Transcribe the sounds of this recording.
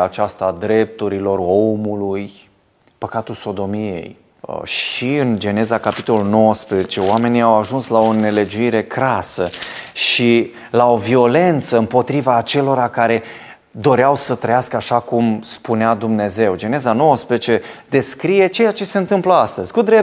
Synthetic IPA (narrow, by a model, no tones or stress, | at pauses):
at͡ʃast̪ad̪ɾe̞p̚t̪uɾilo̞ro̞muluj | pəkat̪ulso̞d̪o̞mie̞̰j | ə̰ʃiɨnd͡ʒe̞ne̞zakapi̥t̪o̞lulno̞wəspɾezet͡ʃe̞oame̞niawaʒunslao̞ne̞le̞d͡ʒuiɾe̞kɾasəʃi | lao̞vio̞le̞nt̪səɨmpo̞t̪ɾivaːt͡ʃe̞lo̞ɾakaɾe̞ | d̪o̞ɾeawsət̪ɾəjaskəaʃakumspunead̪umne̞ze̞wd͡ʒe̞nezano̞wəspɾezet͡ʃe̞d̪e̞skɾije̞t͡ʃe̞jat͡ʃe̞se̞ɨnt̪ɨmpləast̪əzʲkud̪ɾe